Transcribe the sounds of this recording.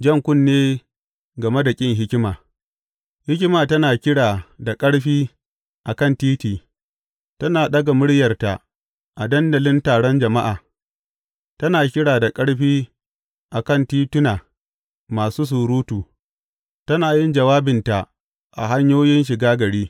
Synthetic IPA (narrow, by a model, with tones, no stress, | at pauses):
d͡ʒɐ˦˨ŋkʷʊ˦nːeː˦ | ɡɐ˨me˦da˨kʲʼɪ˦ŋɦɪ˦kʲɪ˦maː˨ | hɪ˦kʲɪ˦maː˨tɐ˦naː˨kʲɪ˦ɽaː˨da˨kʼɐ˦ɽɸiː˦ | ʔa˨kɐ˦˨ntiː˦tiː˨ | tɐ˦naː˨ɗɐ˦ɡa˨mʊ˦ɽjɐ˨rta˨ʔ | ʔa˨dɐ˦ndɐ˨lɪ˦ntaː˨ɽɔ˦nd͡ʒɐ˨ma˦ʔaː˨ | tɐ˦naː˨kʲɪ˦ɽaː˨da˨kʼɐ˦ɽɸiː˦ | ʔa˨kɐ˦˨ntiː˦tʊ˦naː˨ | maː˨suː˦s̬uː˨ɾuː˦tuː˨ | tɐ˦naː˨jɪ˦nd͡ʒɐ˨waː˦bɪ˨nta˨ | ʔa̰˨ɦa˦ɲjoː˦jɪ˦nʃ̬ɪ˨ɡaː˦ɡɐ˨ɽiː˦